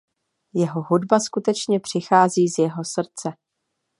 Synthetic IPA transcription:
jɛɦo̞ɦudbaskut̪ɛt͡ʃɲɛpr̝̥ɪxaːziːzjɛɦo̞sr̩t͡sɛ

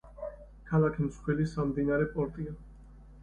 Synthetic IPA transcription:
kʰalakʰimskʰwɛlisamd̪inaɾɛpʼɔɾt̪ʼia

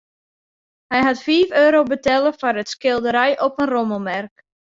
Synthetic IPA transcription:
hɛjɦatfiːføːɾowbətɛlˠəfɔrətskɪlˠdəɾɛjʔɔpənroməlˠmɛrk

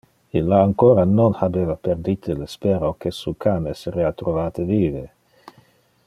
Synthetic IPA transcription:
ilːaːŋkoːɾanonhabeːvapeɾd̪it̪ʰelespeɾokesukʰaneseɾeat̪ɾovaːt̪eviːve

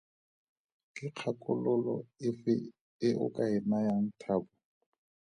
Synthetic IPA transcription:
kʼɪq͡χʰakʼʊlʊlɔ̰ɪfɪ̰ | ɪʔʊ̰kʼaɪnajaŋ̩tʰaːbʊ

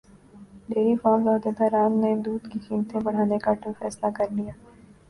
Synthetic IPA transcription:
ɖeːɾifaːmzɔːd̪et̪aɾaːmned̪uːd̪kixiːmt̪ẽbɐɽ̤aːnekaʈũfɛːslakɐɾlijaː

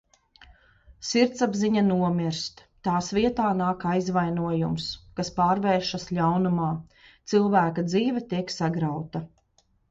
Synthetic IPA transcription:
siɾt̪sabziɲanuɔmiɾst̪ | t̪aːsviɛt̪aːnaːkajzvajnuɔjumskaspaːɾvɛːɾʃaslʲawnumaː | t̪silˠvæːkad̪ziːvʲɛt̪iɛksaɡɾawt̪a

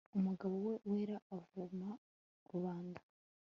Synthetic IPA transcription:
umuɡaβowe̞weːɾaːvuma | ɾuβaːndḁ

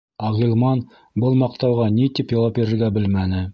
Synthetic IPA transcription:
ɑʁilˠmɑn | bɤlˠmɑq̚t̪ɑwʁɑnit̪ipjɑwɑp̚biɾɘ̆ɾɡæbɘlmænɘ

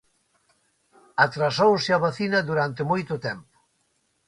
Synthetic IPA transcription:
at̪ɾasowsɪaβaθinɐðuɾant̪emojt̪ʊt̪ɛmpʊ̥

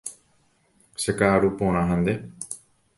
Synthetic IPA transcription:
sekaːɾupõːñãɦə̃nd̪e

